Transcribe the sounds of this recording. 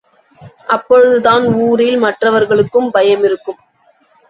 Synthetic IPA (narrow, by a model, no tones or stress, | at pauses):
ʔɐpːɔɻɯðɯðaːnuːɾɪlmɐʈrɐʋɐɾɣɐɭɯkːɯmbɐjɐmɪɾɯkːɯm